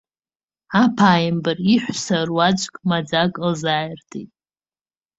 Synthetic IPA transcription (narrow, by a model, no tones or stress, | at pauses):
apʰaːjmbɨriħʷsarwad͡ʒʷʼkʼmad͡zakʼlzaːjrtʰʼḭtʼ